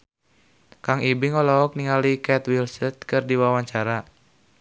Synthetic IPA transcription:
kaŋibiŋɔlɔɔk̚niŋalikɛt̪wilsət̪̚kɨrdiwawaɲt͡ʃaɾa

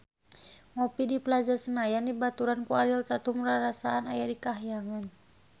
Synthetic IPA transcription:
ŋɔpidipəlad͡ʒarsənajandibat̪uɾankualiat̪at̪uməɾaɾasaːnajadikaɦjaŋan

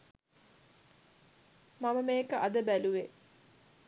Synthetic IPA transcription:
maməmeːkəʔad̪əbæluʋe

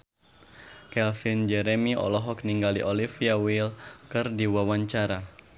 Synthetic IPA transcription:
kɛlfind͡ʒɛɾɛmiʔɔ̰lɔɦɔk̚niŋɡaliʔɔlifiawilkɨrdiwawaɲt͡ʃaɾa

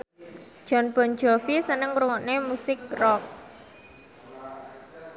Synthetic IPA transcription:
d̥ʒ̥ɔ̤nb̥ɔ̤n̥d͡ʒɔfisənəŋɾuŋɔʔnemusɪk̚rɔk̚

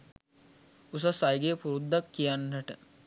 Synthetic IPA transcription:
us̬asajɡeəpuɾud̪ːakːijanːəʈə

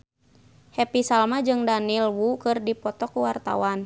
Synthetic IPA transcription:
hɛpisalmad͡ʒɨŋdanilwukɨrdipɔt̪ɔkuwart̪a̰wan

